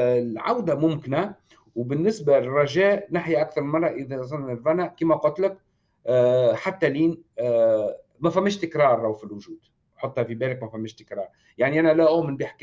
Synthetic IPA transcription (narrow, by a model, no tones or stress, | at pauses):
lʕa̰wd̪amʊmkɪnæ | wbɪnːɪsbalɪrˤːɑʒɛːʔnaħjaʔakθɑɾˤlmɑrˤːɑʔəðæzˤɑnːnɪɾvænæʔkiːmæqɑt̪ləkː | ħat̪ːæliːn | mæfæmːɪʃt̪ɪkɾˤɑːɾˤʔawfilwʊʒuːd̪̥ | ħot̪ˤːhɑfibɛːlɪkmæfæmːɪʃt̪ɪ̥kɾˤɑːɾˤ | jaʕniʔænælæʔumɪnbɪħkː